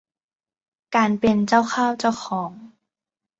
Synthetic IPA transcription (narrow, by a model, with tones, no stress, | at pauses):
kaː˧npe˧nt͡ɕa˥˩wxʰaː˥˩˨wt͡ɕa˥˩wxʰɔː˩˦ŋ